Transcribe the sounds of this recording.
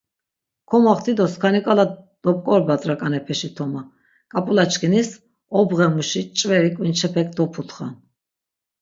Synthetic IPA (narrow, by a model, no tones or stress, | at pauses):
kʰɔmaχt̪ʰid̪ɔskʰanikʼalad̪̥ɔp̚ʼkʼɔɾbat̪ʼɾakʼanɛpʰɛʃit̪ʰɔma | kʼapʼulat͡ʃkʰinis | ɔbʁɛmuʃit͡ʃʼvɛɾikʼwint͡ʃʰɛpʰɛk̚ʰʼd̪ɔpʰut̪ʰχa̰